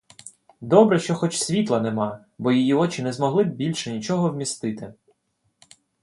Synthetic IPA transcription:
d̪ɔbɾɛʃt͡ʃɔxɔt͡ʃsʲʋʲit̪lˠɐnɛmɑ | bɔjijiɔt͡ʃɪnɛzmɔɦlˠɪbʲilʲʃɛnʲit͡ʃɔɦɔwmʲist̪ɪt̪ɪ

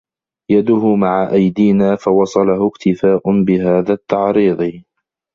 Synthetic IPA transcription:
jad̪ʊɦʊmaʕaʔajd̪iːnaːfawɑsˤɑlahʊkt̪ɪfaːʔʊnbɪɦaːðaːt̪ːɑʕɾiːðˤɨ

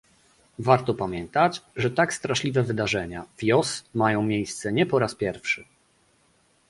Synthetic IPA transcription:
vaɾt̪ɔpamʲjɛnt̪at͡ɕʐɛt̪akst̪ɾaʂlʲivɛvɘd̪aʐɛɲavʲjɔsmajɔ̃w̃mʲjejst̪sɛɲɛpɔɾaspʲjɛɾfʂɘ

